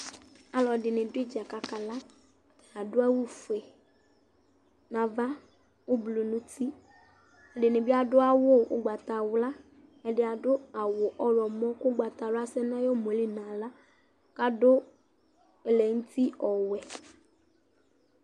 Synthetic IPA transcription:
a˨lɔ˨dɪ˨nɪ̃˨dʊ˦ɪ˦d͡ʒa˨ka˨ka˨la˦ | a˨dʊ˦a˦wu˦fe˨ | nã˨va˦ | wʊ˦blo˨nũ˦t̪ʰi˦ | a˨dɪ˨nɪ̃˨bɪ˦a˨dʊ˦a˦wʊ˦ʊ̰˦ɡ͡ba˨t̪a˨wʊ˦la˦ | ɛ˨dɪ˦a˨dʊ˦a˨wʊ˨ʔɔ˦ɾɔ˨mɔ̃˦kʊ˦ɡ͡ba˨t̪a˨lʊ˦a˦sɛ˦nã˦jo˦mo˨˦li˦nã˨la˦ | ka˦dʊ˦ | ɛ˨lɛ˨ŋũ˦t̪i˦ɔ˨wɛ˨

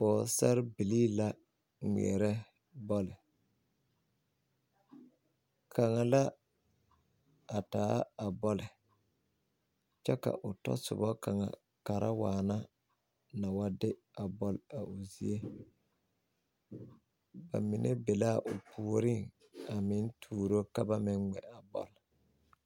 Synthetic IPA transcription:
bɔː˨sɛ˦ɾbi˨liː˦la˦ | ŋʷḭ˨ɛ˨ɾɛ˦ | bɔ˦lɪ˨ | kʰa˨ŋa˨la˦ | a˨taː˦a˨bɔ˦lɪ˨ | t͡ʃɛ˦ka̰˨ʔʊ˨tɔ̰˦sʊ̰˨βɔ˦ka˨ŋa̰˨ | ka˨ɾʔa˦waː˨na˦ | na˨wa˦dɪ˦ | a˨bɔ˦la˨ʊ˨zi˦e˦ | ba̰˨mɪ˨nʔe˦be˨la˦˨ʔʊ˨pʰu˨o˨ɾɪ˦ŋ | a˨mɪ˦n˦tʰuː˨ɾo˦ka˦ba˦mɪ˦nŋɛ̰˨a˨bɔ̰˨l

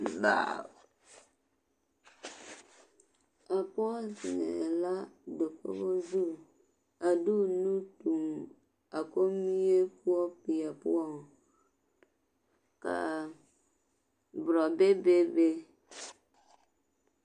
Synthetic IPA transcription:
ba̰˦˨ | a˨pɔ˦lsɪ˨nɛ̰˨la˦de˨kɔ̰˦bɔ˦zu˦˨ | a˨du˦˨nu˦tu˨m | a˨ko˦mi˦je˦pu˦ɔ˦pi˨a˨pṵ˦ɔ˦˨ŋ | ka̰˨ | bʊ˨ɾɔ˨be˦be˦be˦

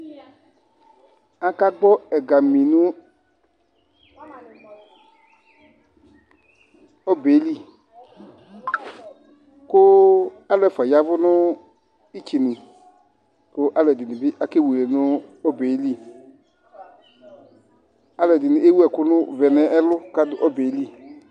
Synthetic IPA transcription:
a˦ka˦ɡ͡bɔ˦ɛ˨ɡa˨mĩ˨nʊ˦ | ɔ˦be˨˦li˦ | kʊ˦ | a˦lʊ˦ɛ˨fa˨ja˨vʊ˦nʊ˦ | i˦t͡ʃi˨nũ˨ | kʊ˦ʔa˦lʊ˨ɛ˨dɪ˨nʊ̃˨bɪ˦ʔa˨ke˦wu˨le˨nʊ˦ɔ˦be˨˦li˦˨ | a˦lɛ˨dɪ˨nʊ̃˨ʔe˦wu˦ɛ˨kʊ˦nʊ˦˨vɛ˨nɛ˨ʔɛ˦lʊ˦ka˦dʊ˨ʔɔ˦be˨˦li˦

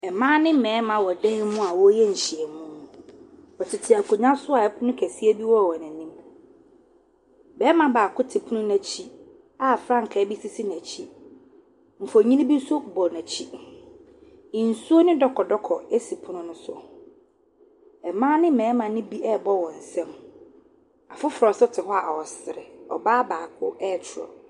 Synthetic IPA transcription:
ɛ˨mãː˦nɪ̃˦m̩˦˨mɛ̃ː˨˦mã˨wɔ˨dɛ˦ɪ˦mʊ̃˦a˨wɔ˦jɛ˦ɲ̩˨ɕi˨ɛ˨mũ˦˨ | ɔ˨tʰɪ˨tʰɪ˨a˨kʰu˨ɲã˦sʊ˦a˨ɛ˦pʰʊ˦nʊ̃˦kʰæ˨si˦ɛ˦bi˦wɔ˦˨wɔ˨næ̃˨nĩ˦m | bɛː˦mã˨baː˨kʊ˦tʰɪ˨pʰʊ˦nʊ̃˦næ̃˨t͡ɕʰi˦ | a˦˨fɾã˦ŋ̩˨kʰɛ˨˦bi˦si˦si˦næ˨t͡ɕʰi˦ | ɱ̩˨fo˨ɲĩ˦nĩ˦bi˦sʊ˦˨bɔ˨næ̃˨t͡ɕʰi˦ | ɪ˨n̩˨su˦o˦nɪ̃˦dɔ˨kʰɔ˨dɔ˦kʰɔ˨e˦si˨pʰʊ˦nʊ̃˦nʊ̃˦sʊ̰˨ | ɛ˨mã˦nɪ̃˦mɛ̃ː˨˦mã˨nɪ̃˦bi˦ɛ˦˨bɔ˦˨wɔ̃˨n̩˨sɛ̃˦m | a˨fʊ˦fɾɔ˨sʊ˦tʰɪ˨hɔ˦a˨wɔ˨sɪ˨ɾɛ˨ɔ̰˨baː˦baː˨kʰʊ˦ɛ˦˨t͡ɕʰʊ˨ɾɔ̰˨

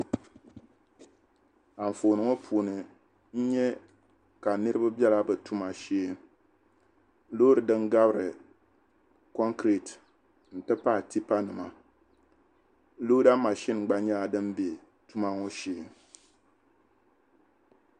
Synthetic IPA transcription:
a˨ɱ̩˨fo˨nɨ˨ŋo˦pʰuː˨nɨ˨ | n̩˦ɲɛ˦ | ka˨nɨ˦ɾɨ˦ba˦bɛ˦la˦bɨ˨tu˦ma˨ʃeː˦˨m˦ | lo˦ɾɨ˨dɨ˦ŋɡa˦bɨ˦ɾɨ˨ | kɔ˦ŋkɾi˨t | n̩˨tɨ˦pa˦˨ti˦pa˦nɨ˨ma˨ | lo˦da˦ma˨ʃi˦nɡ͡ba˦ɲa˦a˨dɨ˦m˦be˨ | tu˦ma˦ŋo˦ʃeː˦˨m

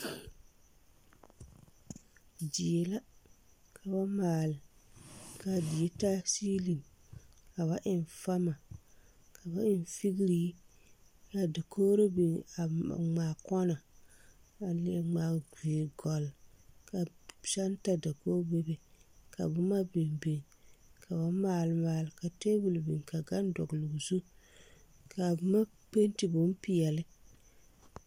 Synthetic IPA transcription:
d͡ʒi˨e˨la˦ | kʰa˨βa˦maː˨lɪ˨ | ka˨di˨e˦ta˦siː˦li˨mka˨βa˦ʔɪ˨n˨fa˦ma˨ | kʰa˨ba˦ɪ˦n˨fi˦ɡi˦ɾiː˦ | ka˨da˨koː˦ɾo˦bi˨a̰˨ŋ͡maː˨kɔ˦na˨ | a˨lɪ˨ŋ͡maː˨ɡiː˨ɡɔ˨lka˨sa˦n˦ta˨da˨koː˦be˦be˨ka̰˨bʊ˦ma˦bi˨nbi˨nkʰa˨βa˨˦maː˨lɨ˦maː˨lɪ˨ka˨te˦bu˨lbi˨nka˨ɡa˦n˦dɔ̰˨ɡlu˨ɡzu˦ | ka˨bma˦ | k͡pe˦n˦ti˨bʊ˨˦m˦pi˨jɛ˨lɪ˦

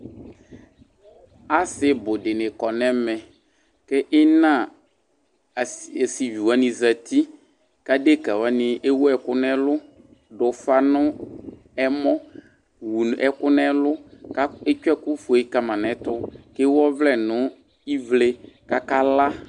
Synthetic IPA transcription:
a˦sɪ˦bʊ˨dɪ˨nɪ˨kɔ˨nɛ˦mɛ˨ | kɪ˦ʔɪ˦nã˦˨ | si˨vi˨wa˨˦nɪ̃˨za˨t̪i˦ | ka˦de˦ka˨wa˨nɪ˨ʔe˦wo˦ɛ˨kʊ˦nɛ˦lʊ˦ | ɖʊ˨fa˦nʊ̃˦ | ɛ˦mɔ̃˦ | wu˨n˨ɛ˨kʊ˦nɛ˦lʊ˦ka˦e˦t͡ʃɛ˦kʊ˦fʊ˨e˦ka˨mã˨nɛ˨˦t̪ʊ˦kɪ˦wɔ˦vlɛ˦˨nʊ̃˨˦ | i˦vle˦ka˦ka˦la˦

